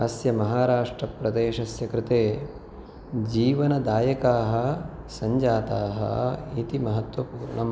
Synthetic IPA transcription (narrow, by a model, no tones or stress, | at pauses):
ɐsjɐmɐɦaːɾaːʂʈɾɐpɾɐd̪eːʃɐsjɐkɾɪt̪eː | d͡ʒiːʋɐnɐd̪aːjɐkaːɦɐ̆ | sɐɲd͡ʒaːt̪aːɦɐ̰it̪imɐɦɐt̪wɐpuːɾɳɐm